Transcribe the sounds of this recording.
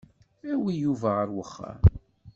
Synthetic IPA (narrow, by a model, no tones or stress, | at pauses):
æwijuvæʁəɾwəχːa̰m